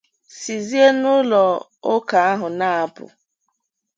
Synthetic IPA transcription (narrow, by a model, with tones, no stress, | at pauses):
si˨zi˦e˦nʊ˦lɔ˨ | o˦ka˨a˦ɦʊ˨na˦a˨pʊ̰˨